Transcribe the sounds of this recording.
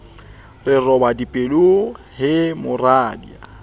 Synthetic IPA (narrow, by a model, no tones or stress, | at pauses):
rɪrɔbadipʼeluhɪmʊraːdḭa̰